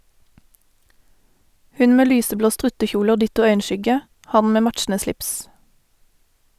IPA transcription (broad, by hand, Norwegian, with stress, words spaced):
ˈhʉn ˈmeː ˈlyːsəˌbloː ˈstʁʉtəˌçuːlə ˈoː ˈdɪtʊ ˈœʏənˌʃʏɡə ˈhɑn ˈmeː ˈmætʃn̩ə ˈslɪps